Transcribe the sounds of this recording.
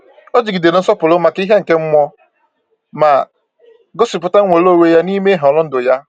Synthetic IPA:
o˦d͡ʒi˨ɡi˨de˨nɪ˨n̩˦sɔ˦pʊ˨lʊ˦ma˨ki˦ɦe˦ŋ̩˨ke˦m̩˦mʷɔ˦ | ma˨ | ɡɔ˦si˨pʊ˦ta˦ŋ̩˦ŋʷe˨lo˦˨we˦ja˦ni˦me˦ɦɔ˨lʊ˦n̩˦dʊ˨ja˦

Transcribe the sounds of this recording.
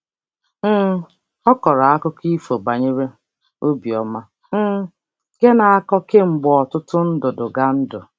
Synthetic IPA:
ɔ˦kɔ˨ɾa˨a˦kʊ˦ki˦fo˨ɡ͡ba˨ɲe˦ɾe˦ | o˦bi˨ɔ˨ma˦ | ɡ̥e˦na˨a˦kɔ˦ke˦ŋ͡m̩˨ɡ͡bɔ˨ɔ˨tʊ˦tʊ˦n̩˦dʊ˨dʊ˨ɡa˦n̩˦dʊ˨

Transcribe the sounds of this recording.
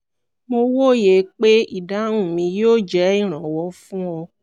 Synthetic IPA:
mo˧wo˦˨je˨k͡pe˦i˦˨da˨˦ũ˦˨mĩ˧jo˦˨d͡ʒɛ˨˦i˦˨ɾ̃ɔ̃˨wɔ˨˧˦fũ˦ɔ˧

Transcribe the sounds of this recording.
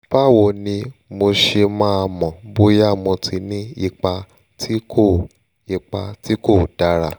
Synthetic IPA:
b̥a˦˨wo˧˨nĩ˧mo˧ʃe˧mãː˦˧mɔ̃˨bo˧˦ja˦˨mɔ̃˧tʰi˧˦nĩ˦i˧k͡pa˧ | tʰi˦ko˦˨ | i˧k͡pa˧ti˦ko˦˨d̥a˦ɾa˦˨

